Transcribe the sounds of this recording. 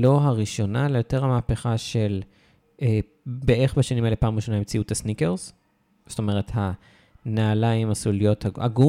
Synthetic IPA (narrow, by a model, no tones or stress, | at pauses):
loɦaʁiʃo̞nalejo̞te̞ʁhamaːpeχaʃe̞l | e | beeχbeʃanimaelepaːmoʃonaimt͡siuthasnikeʁz̥ | to̞me̞ʁ̞e̞tha | naːlaimasulijo̞thaa̰ɡu